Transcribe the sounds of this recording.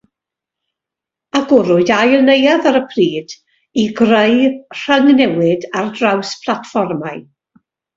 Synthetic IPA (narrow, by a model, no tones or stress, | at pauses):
aɡʊɾʊjajlˠnejaðaɾəpʰriːd̥ | iɡrejr̥əŋnɛwɪdardrawspʰlˠatfɔrmaɨ